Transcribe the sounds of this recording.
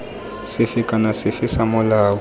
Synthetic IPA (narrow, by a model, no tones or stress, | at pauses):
sɪfɪkʼanasɪfɪsamʊlaːwɔ